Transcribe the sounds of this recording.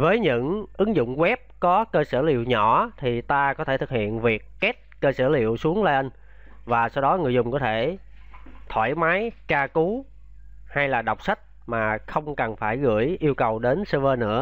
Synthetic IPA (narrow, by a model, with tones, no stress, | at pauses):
vəː˨˦jɲɨ̰˧˥ŋʔɨ˨˦ŋzʊ̰˧˨ŋ͡mɣwɛ˦˥p̚kɔ˨˦kəː˧səː˧˩lḭ˧˨əwɲɔ˧˩t̪ʰi˨˩t̪aː˧kɔ˨˦e˧˩t̪ʰɨ˨˩k̚hḭ˧˨ənvi˨˩əkːɛ˦˥t̚kəː˧səː˧˩lḭ˧˨əwsu˨˦əŋla˧ʔə˧n | vaː˨˩sa˧wɗɔ˨˦ŋɨ˨˩əjzʊ˨˩ŋ͡mkɔ˨˦t̪ʰe˧˩ | t̪ʰwaː˧˩jmaː˨˦jkaː˧ku˨˦ | ha˧jlaː˨˩ɗa˨˩wk͡p̚sa˦˥jk̚ | maː˨˩xə˧wŋ͡mkə˨˩nfaː˧˩jɣɨ̰˧˩əjʔi˧əwkə˨˩wɗe˨˦nsəː˧vəː˧nɨ̰˧˥ə